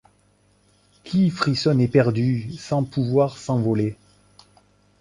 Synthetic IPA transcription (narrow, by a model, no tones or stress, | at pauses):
kʰʲifχisɔnɛpɛʁd̪ysɑ̃pʰuvwaʁsɑ̃vɔle